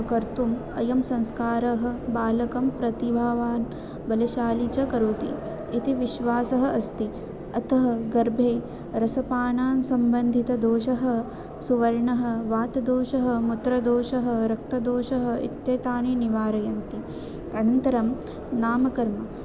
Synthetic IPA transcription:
kɐɾt̪um | ɐ̰jɐmsɐ̃ŋskaːɾɐɦɐ̆baːlɐkɐmpɾɐt̪ibʱaːʋaːn | bɐlɐʃaːlit͡ʃɐkɐɾoːt̪ḭ | it̪iʋiʃʋaːsɐɦɐ̆ʔɐst̪i | ɐt̪ɐɦɐ̆ɡɐɾbʱeː | ɾɐsɐpaːɳaːnsɐmbɐnd̪ʱit̪ɐd̪oːʃɐɦɐ̆ | suʋɐɾɳɐɦɐ̆ʋaːt̪ɐd̪oːʃɐɦɐ̆mut̪ɾɐd̪oːʃɐɦɐ̆ɾɐk̚t̪ɐd̪oːʃɐɦɐ̆ḭt̪jeːt̪aːniniʋaːɾɐjɐnt̪i | ɐnɐnt̪ɐɾɐm | naːmɐkɐɾmɐ

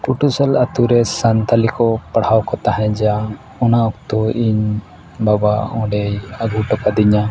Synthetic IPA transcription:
kuʈusalat̪uɾɛsant̪alikɔpaɽawkɔt̪aɦɛ̃d͡ʒa | ɔnaɔkt̪ɔʔiɲ | babaɔ̃ɖɛjaɡuʈɔkad̪iɲa

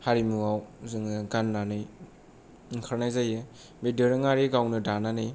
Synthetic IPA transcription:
haɾimuawzɯŋɯɡanːanɯj | ŋkʰaɾnajzaje | bedɯɾɯŋaɾiɡawnɯdananɯj

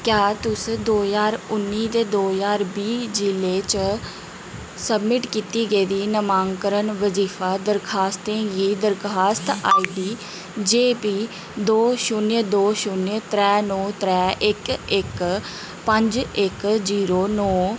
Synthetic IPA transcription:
kjaːt̪ʊsd̪oːzaːɾʊnːiːt̪eːd̪oːzaːɾbiːd͡ʒɪleːt͡ʃ | səbmɪʈkiːt̪iːɡəiːd̪iːnəmaːŋkəɾənʋəziːfʰaːd̪əɾkʰaːst̪ẽːɡiːd̪əɾkʰaːst̪a̰ːiːd̪iː | d͡ʒeːpiː | d̪oːʃʊnd̪oːʃʊnt̪ɾɛːnɔːt̪ɾɛːʔɪkɪk | pəɲd͡ʒɪkziːɾoːnɔː

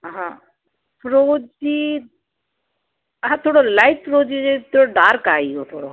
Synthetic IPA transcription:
ɦãː | pɾoːd͡ʒi | ɦãːt̪ʰoːɽolaɪʈ̚pɾoːd͡ʒiet̪ʰoɽoɖaːɾkaːioːt̪ʰoːɽo̰ː

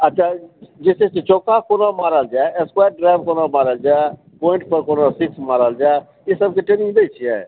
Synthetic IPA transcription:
ətːʃʰaːd͡ʒɪset͡ʃet͡ʃoːkaːkoːnaːmaːɾald͡ʒaːeɛskwaːjɾɖɾaːjʋkoːnaːmaːɾəld͡ʒaːe | poːɪ̃ɳʈpəɾkoːnasɪksmaːɾəld͡ʒaːe | esəb̚keʈenɪ̃ŋb̪eit͡ʃʰia̰ː

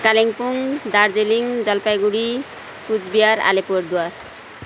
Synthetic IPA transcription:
kaleŋpuŋd̪aɾd͡zeliŋd͡zʌlpajɡuɽi | pud͡zbijaɾa̰lepoɾd̪uar

